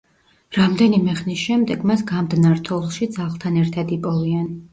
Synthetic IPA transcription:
ɾamd̪ɛnimɛʁnisʃɛmd̪ɛɡmasɡamd̪naɾt̪ʰɔlˠʃid̪zaʁlˠt̪ʰanɛɾt̪ʰad̪ipʼɔvian

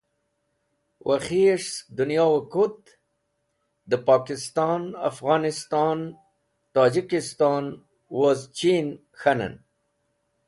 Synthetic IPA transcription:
wʔaxieʂs̚d̪unjɑwakut̪ | d̪əpɑkɪst̪ɑnafɣɑːnɪst̪ɑn | t̪ɑːd͡ʑikɪst̪ɑn | wazt͡ʃin | xana̰n

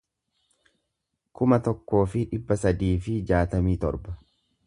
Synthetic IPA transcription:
kʊmɐt̪ɔkːo̞ːfɪᶑɪbːɐsɐd̪iːfɪd͡ʒaːt̪ɐmiːt̪ɔ̰ɾbɐ̥

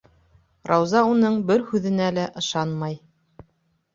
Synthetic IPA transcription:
ɾɑwzɑunɤɴbɘɾhʉðɘ̆nælæʔɤ̆ʃɑnmɑj

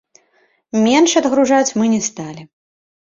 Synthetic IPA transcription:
mʲɛnʂɐd̪ɣɾuʐat͡sʲmɨnʲɛst̪alʲi

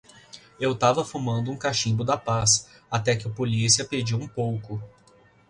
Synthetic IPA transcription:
ewt̪avɐfumɐ̃nd̪ʊũkaʃĩbʊd̪ɐpas | at̪ɛkɪɐpolisiɐped͡ʒiwũpowkʊ

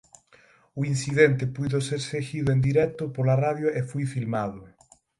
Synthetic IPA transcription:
ʊinsiðent̪epuðoseɾseɣiðʊẽnd̪iɾɛk̚t̪ʊpoɾlaraðjoʔefujfilmaðʊ

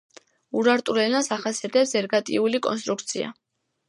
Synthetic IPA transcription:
uɾaɾt̪ʼuɾɛnasaχasiat̪ʰɛpsɛɾɡat̪ʼḭulikʼɔ̰nst̪ʼɾuk̚ʰt̪sʰia̰

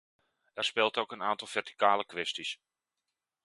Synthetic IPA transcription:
ɛrspɪlˠtowkənaːntɔlˠfɛrti̥kaːləkʋɛstis

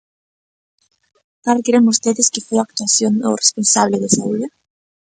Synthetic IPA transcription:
kaɾkeɾemust̪eðeskefojak̚t̪uaθjono̰re̥sponsaβ̞leðesauðe

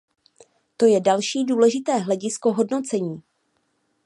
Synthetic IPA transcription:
t̪o̞jɛdalʃiːduːlɛʒɪt̪ɛːɦlɛɟɪsko̞ɦo̞dno̞t͡sɛɲiː

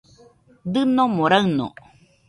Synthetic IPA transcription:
d̪ɯnomoɾaɯno̰

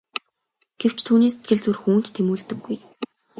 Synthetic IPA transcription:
ɡ̥ew̥t͡ɕʰt̪ʰuːniːset̪ɡɘ̆ɮt͡sŭrxuːn̥t̪tʰːemuːɮt̪ɘ̆ɡːuj

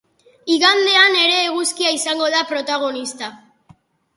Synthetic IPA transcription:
iɣand̪e̞ane̞ɾe̞ːɣuskiaisaŋɡo̞ðapɾo̞t̪aɣ̞o̞nist̪a

